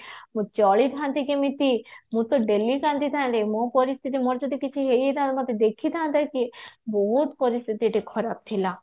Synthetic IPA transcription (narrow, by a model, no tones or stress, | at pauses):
mũt͡ʃɔɭit̪ãnt̪ikemit̪imũt̪oɖelikãnd̪it̪ʰãnɾemõpɔɾist̪ʰiʈ̪imoɾd͡ʒɔd̪ikit͡ʃʰiɦejet̪ãt̪mɔt̪ed̪ekʰit̪ʰãnt̪akiboɦut̪pɔɾist̪ʰit̪iʈikʰɔɾap̚t̪ʰilã